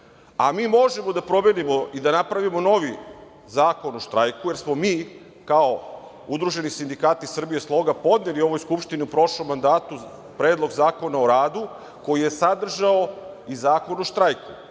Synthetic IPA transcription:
amiːmo̞ʒe̞mo̞d̪apɾo̞me̞nimoid̪anapɾaʋimo̞no̞ʋi | zaːko̞noʃt̪ɾajkuje̞ɾsmo̞miː | kao | ud̪ɾuʒe̞nisind̪ikaːt̪isr̩bije̞slˠo̞ɡapo̞d̪nelio̞ʋo̞jskupʃt̪iniupɾo̞ʃlo̞mːand̪aːt̪u | pɾeːd̪lˠo̞ɡzaːko̞naoɾaːd̪u | ko̞jijesad̪r̩ʒao | izaːko̞noʃt̪ɾajku

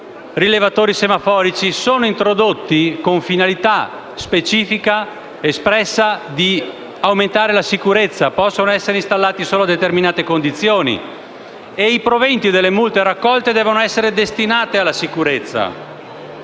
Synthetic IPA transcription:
rilevat̪oːɾisemafɔːɾit͡ʃisoːnoint̪ɾod̪ot̪ːikoɱfinalit̪a | spet͡ʃiːfika | espɾɛsːad̪i | awment̪aːɾelasikuɾet̪sːapɔsːonoɛsːeɾeist̪alːaːt̪isoːload̪et̪erminaːt̪ekond̪it̪sːjoːnḭ | eipɾovɛnt̪id̪elːemult̪eɾakːɔlt̪ed̪ɛːvonoɛsːeɾed̪est̪inaːt̪ealːasikuɾet̪sːa̰

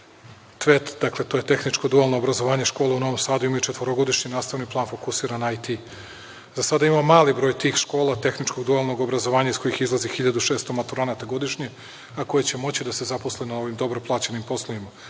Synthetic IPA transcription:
t̪ʋet̪d̪akle̞t̪oːje̞t̪e̞xnit͡ʃko̞d̪ualˠno̞ːbɾazo̞ʋaːɲe̞ʃko̞ːlauno̞ʋo̞msaːd̪uimajut͡ʃet̪vʋo̞ɾoɡo̞d̪iʃɲinaːst̪aʋniplˠaːnfo̞kusiːɾanajt̪i | zasad̪aimamaːlibɾo̞ːjt̪iːxʃko̞ːlˠat̪e̞xnit͡ʃko̞ɡd̪ualˠno̞ɡo̞bɾazo̞ʋaːɲaisko̞jixizlˠazixiʎad̪uʃeːst̪omat̪uɾonat̪aɡo̞d̪iʃɲe | ako̞je̞t͡ɕe̞mo̞t͡ɕid̪ase̞zaposlenoo̞ʋimd̪o̞bɾo̞plˠaːt͡ɕenimpo̞slˠoʋima

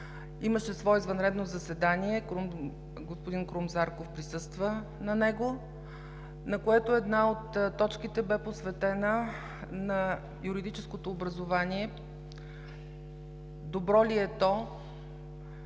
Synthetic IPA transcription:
iməʃɛsvɔɛizvɐnɾɛd̪nozɐsɛd̪aniɛkɾum | ɡospod̪inkɾumzaɾkofpɾisɤst̪və | nɐnɛɡo | nɐkoɛt̪oɛd̪naot̪ːɔt͡ʃkit̪ɛbɛposvɛt̪ɛnə | nɐ | juɾid̪it͡ʃɛskot̪oːbɾɐzovaniɛ | d̪obɾɔliɛt̪ɔ

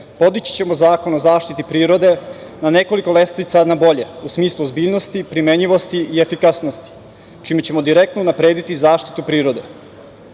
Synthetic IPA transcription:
po̞d̪it͡ɕi̥t͡ɕe̞mo̞zaːko̞nozaːʃt̪it̪ipɾiːɾo̞d̪e̞nane̞ko̞liko̞lest̪it̪sanabo̞ʎe̞usmiːslˠuozbiːʎno̞st̪ipɾime̞ɲiʋo̞st̪iiefikasnost̪i̥ | t͡ʃimet͡ɕe̞mo̞d̪iɾe̞k̚t̪nounapɾe̞ːd̪it̪izaːʃt̪i̥t̪upɾiːɾo̞d̪e̞

